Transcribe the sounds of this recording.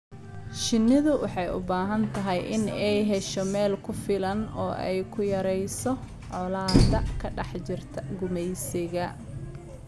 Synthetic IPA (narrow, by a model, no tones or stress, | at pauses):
ʃɪnːɪðʊwɑħɑjʔʊ̰baːɦɐnt̪ʰɐɦɛjʔɪnɛjɦɛʃɔmɛːlkʰʊfɪlɐnɔːʔɛ̰jkʰʊjɐɾɛjsɔ | ʕɔlaːd̪ɐkʰɐɖɑħt͡ʃɪrt̪ʰɐɡʊmɛjsɪɣɐ